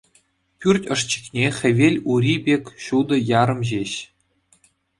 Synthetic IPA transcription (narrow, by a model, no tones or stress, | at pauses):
pʲyrʲtʲɤ̆ʂt͡ɕi̥kʲnʲeχʲɘ̆ʋʲelʲuɾʲibʲekʲɕud̪ɤ̆jɑɾɤ̆mʑeɕ